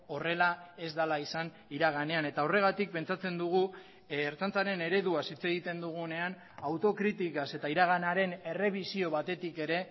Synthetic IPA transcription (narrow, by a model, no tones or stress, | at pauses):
o̞re̞lae̞zd̪alaisan | iɾaɣ̞ane̞ane̞t̪ao̞re̞ɣ̞at̪ik̚pe̞nt͡sat͡se̞nd̪uɣ̞uː | ɾt͡sant͡saɾe̞ne̞ɾe̞ðuasit͡se̞ɣ̞it̪e̞nd̪uɣ̞une̞an | awt̪o̞kɾit̪ikase̞t̪aiɾaɣ̞anaɾe̞ne̞re̞β̞isio̞βat̪e̞t̪ike̞ɾe̞